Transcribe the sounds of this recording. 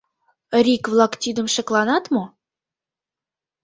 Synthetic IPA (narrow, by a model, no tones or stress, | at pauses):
ɾʲikvlˠɑkt̪ʲid̪ə̆mʃɘ̆klˠɑnɑt̪mo